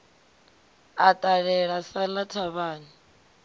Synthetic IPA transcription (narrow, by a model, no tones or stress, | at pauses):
atʼaɺɛɺasalatʰaβaːni